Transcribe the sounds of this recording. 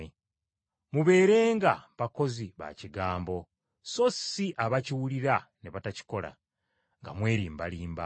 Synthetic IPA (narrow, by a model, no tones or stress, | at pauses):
e | muβe̞ːɾe̞ːŋɡaβako̞ziβa̰ciɡaːmbo̞ | so̞siʔaβaciwuliɾane̞βataci̥ko̞la̰ | ŋɡa̰mwe̞ːɾiːmbaliːmba̰